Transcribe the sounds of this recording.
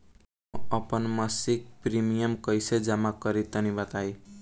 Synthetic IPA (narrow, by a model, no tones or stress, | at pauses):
ʌpʌnmasik̚primijʌmkʌjsed͡zamakʌɾit̪ʌnibʌt̪aj